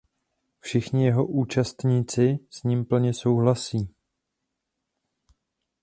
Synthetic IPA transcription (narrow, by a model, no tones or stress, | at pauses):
fʃɪxɲɪjɛɦo̞ʔuːt͡ʃast̪ɲiːt͡sɪsɲimpl̩ɲɛso̞wɦlasiː